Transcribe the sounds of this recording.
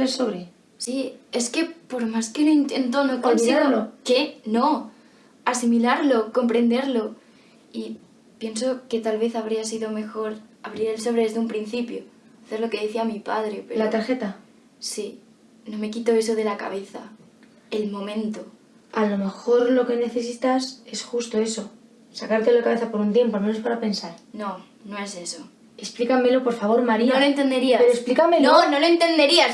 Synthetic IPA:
esoβɾe | sie̞ske̞po̞ɾmaskenoint̪e̞nt̪̬onokonnsiaɣolokeno̞ | asimilaɾlo̞ko̞mpɾe̞nd̪e̞ɾlo̞ | i | pje̞ns̬o̞ke̞t̪alβe̞θaβ̞ɾiasiðome̞xo̞ɾaβɾiaelso̞β̞ɾeðezðeumpɾin̟θipjo | aθe̞ɾloke̞ðeθiamipa̰ð̞ɾepeɾlat̪aɾxet̪a | si | no̞me̞kit̪o̞e̞so̞ð̞e̞laka̰βe̞θa̰ | e̞lmõ̞mẽ̞nt̪o | alo̞me̞xo̞ɾlo̞ke̞ne̞θe̞s̬it̪ase̞sxust̪o̞e̞so̞ | sakaɾt̪elakaβe̞θapo̞ɾunt̪jempoalmenospaɾape̞nsaɾno̞ | no̞e̞se̞so | e̞splikame̞lo̞po̞ɾfaβ̞oɾmaɾinaoloent̪e̞nd̪eɾiapeɾoesplikamelnono̞loent̪e̞nd̪e̞ɾia

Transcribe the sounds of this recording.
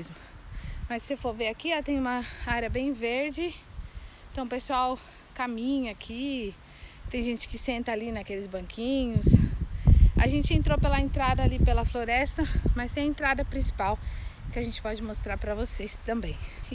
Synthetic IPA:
zmʊmɐsːefoɾveɾakiat̪ẽj̃ũmɐaɾjɐbẽj̃veɾd͡ʒɪ̃ | t̪ɐ̃w̃pesuaw | kamĩɲɐːkʰi | t̪ẽj̃ʒẽt͡ʃɪ̥kɪsẽnt̪ɐalinɐkelɪzbɐ̃ŋkʰĩɲʊs | a̰ʒẽnt͡ʃɪẽnt̪ɾopelɐẽnt̪ɾad̪ɐalipelɐfloɾɛst̪ɐmɐst̪ẽj̃ɐẽnt̪ɾad̪ɐpɾĩsi̥pawkɪaʒẽnt͡ʃɪ̥pɔd͡ʒɪmost̪ɾaɾpɾɐvosest̪ɐ̃mbẽj̃

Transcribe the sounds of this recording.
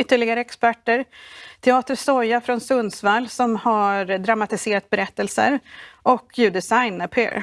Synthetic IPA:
ʏt̪ːəɭɪɡaɾəɛkspæʈːəɾt̪ʰɛɑːt̪əsɔjːafɾɔnsɵnsvalːsɔmhaɾd̪ɾamat̪ɪseːɾat̪̚bɛɾɛt̪ːəlsə̰ɾʔɔkʰːjʉːd̪ɛsajnɛpʰḛɾ

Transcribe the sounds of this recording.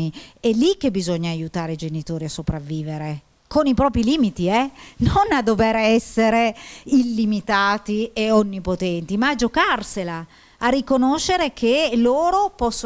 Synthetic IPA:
iɛlːik̟ːebizoɲːaːjut̪aːɾeid͡ʒenit̪oːɾiasːopɾavːiːveɾe | konipɾɔːpɾiliːmit̪iɛnonad̪ːoveɾɛsːeɾeilːimit̪aːt̪ieonːipot̪ɛnt̪imaːd͡ʒokarselaː | rːikonoʃːeɾekʰeloːɾopɔsː

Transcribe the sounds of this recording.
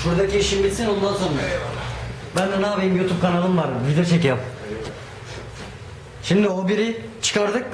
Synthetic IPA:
buɾd̪aciːʃimbit̪sinond̪ansona | bænd̪ɛnaːvejimjut̪ʰup̚kʰanalˠɯnvaɾvid̪eot͡ʃʰecijam | ʃimd̪iobiɾit͡ʃʰɯ̥kʰaɾd̪ɯk̚

